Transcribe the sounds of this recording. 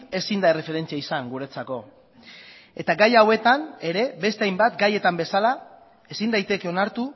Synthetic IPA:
e̞sind̪aere̞fe̞ɾe̞nt͡siaisaŋɡuɾe̞t͡sako̞ | e̞t̪aɡajawe̞t̪ane̞ɾe̞be̞st̪e̞ajmbat̪ɡaje̞t̪ambe̞sala | e̞sind̪ajt̪e̞ke̞o̞naɾt̪u

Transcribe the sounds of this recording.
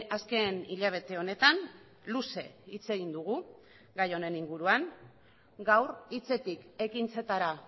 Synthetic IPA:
aske̞niʎaβ̞e̞t̪e̞o̞ne̞t̪an | luse̞̰it͡se̞ɣind̪uɣ̞u | ɡajo̞ne̞niŋɡuɾuaŋ | ɡawrit͡se̞t̪ike̞kint͡se̞t̪aɾa

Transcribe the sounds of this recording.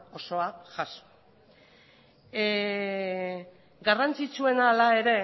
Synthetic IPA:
o̞so̞aʝaso̥ | ɡarant͡sit͡sue̞nalae̞ɾe̞

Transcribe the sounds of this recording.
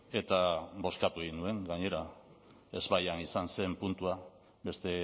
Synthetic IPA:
e̞t̪aβo̞skat̪ueɣinue̞ŋɡaɲe̞ɾa | e̞zβajanisanse̞mpunt̪ua | be̞st̪e̞

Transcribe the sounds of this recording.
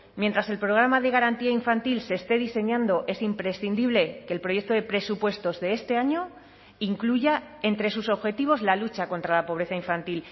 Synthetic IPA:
mjent̪ɾase̞lpɾo̞ɣ̞ɾamaðe̞ɣaɾant̪iaiɱfant̪ilse̞ːst̪e̞ðise̞ɲãnd̪o̞ʔe̞simpɾe̞sθind̪iβ̞le̞ke̞ːlpɾo̞je̞k̚t̪oðe̞pɾe̞supwe̞st̪o̞zðe̞est̪e̞aɲo̞ | iŋkluʝae̞nt̪ɾe̞suso̞βxe̞t̪iβ̞o̞zlalut͡ʃako̞nt̪ɾalapo̞β̞ɾe̞θaiɱfant̪il

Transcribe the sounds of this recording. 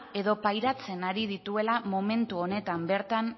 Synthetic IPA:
e̞ðo̞pajɾat͡se̞naɾið̞it̪ue̞lamo̞me̞nt̪uo̞ne̞t̪ambe̞ɾt̪an

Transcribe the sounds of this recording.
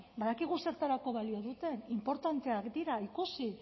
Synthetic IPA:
baðakiɣuse̞ɾt̪aɾako̞βalio̞ðut̪e̞nimpo̞ɾt̪ant̪e̞akd̪iɾaikusi

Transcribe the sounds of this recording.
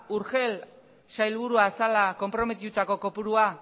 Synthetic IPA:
uɾxe̞l | sajlβ̞uɾuasalako̞mpɾo̞me̞t̪̬it̪ut̪ako̞ko̞puɾua

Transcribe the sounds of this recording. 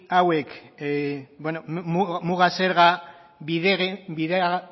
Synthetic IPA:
awek | bwenommuɣaseɾɣa | βieɣbiðe

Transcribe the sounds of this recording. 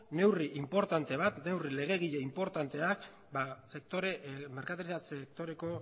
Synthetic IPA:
ne̞wriʔimpo̞ɾt̪ant̪e̞β̞at̪ne̞wrile̞ɣe̞ɣ̞iʎeimpo̞ɾt̪ant̪e̞ak | base̞k̚t̪o̞ɾemeɾkat̪aɾisasekt̪o̞ɾe̞ko̞

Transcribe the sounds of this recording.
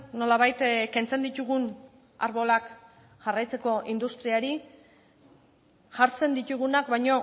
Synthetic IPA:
no̞laβajt̪ke̞nt͡se̞nd̪it̪uɣun | a̰ɾβo̞lak | ʝarajt͡se̞ko̞ʔind̪ust̪ɾiaɾi | ʝaɾt͡se̞nd̪it̪uɣ̞unakβajɲo̞

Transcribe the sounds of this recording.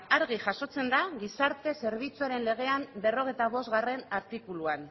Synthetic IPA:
aɾɣ̞iʝaʃo̞t͡se̞nd̪aɣisaɾt̪e̞se̞ɾβ̞it͡suaɾe̞nle̞ɣ̞e̞ambe̞ro̞ɣ̞e̞jt̪aβ̞o̞zɣare̞naɾt̪ikuluan

